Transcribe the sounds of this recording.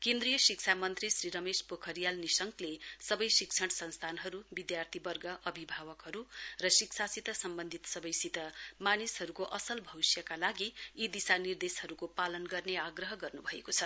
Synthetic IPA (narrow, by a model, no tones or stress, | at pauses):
kẽnd̪rijʌsikt͡sʰamʌnt̪risriɾʌmespokʰʌɾijalnisʌŋklesʌbʌjsik̚t͡sʰʌɽsʌnst̪ʰanɦʌɾubid̪jart̪ʰibʌrɡʌʔʌbʱibʱawʌkɦʌɾurʌsiksʰasit̪ʌsʌmbʌnd̪ʱit̪sʌbʌjsit̪ʌmanisɦʌɾukoʔʌsʌlbʱʌwisjʌkalaɡiid̪isanird̪eshʌɾukopalʌnɡʌrneaɡrʌɦʌɡʌrnubʱʌekot͡sʰʌ